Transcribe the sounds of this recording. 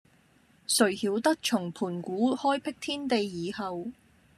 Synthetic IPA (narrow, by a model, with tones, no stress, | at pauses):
sɵ˨˩ɥhiː˨˥wt̪ɐ˥k̚t͡ʃʰʊ˨˩ŋpʰuː˨˩nkuː˨˥hɔː˥jpʰɪ˥k̚t̪ʰiː˥nt̪e˨jːiː˨hɐ˨˧w